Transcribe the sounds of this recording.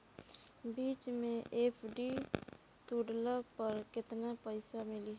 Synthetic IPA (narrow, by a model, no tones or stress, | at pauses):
biːt͡ʃmẽʔeːpʰɖi | t̪uɽləpəɾkɪt̪napəɪsamɪli